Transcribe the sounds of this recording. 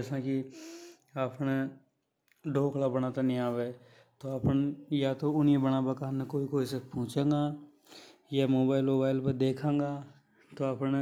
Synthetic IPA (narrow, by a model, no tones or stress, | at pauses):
d͡ʒɛːsãːki | aːpne | ɖʱoːkʰlabəñaːt̪anĩaːʋeː | t̪oaːpnjat̪oʊniebəɽabɐkaːnnẽkoːikoːisepɔ̃ːt͡ʃẽːŋɡaː | jamoːbaːɪlmoːbaːɪlpəɾd̪eːkʰẽːŋɡaː | t̪oaːpne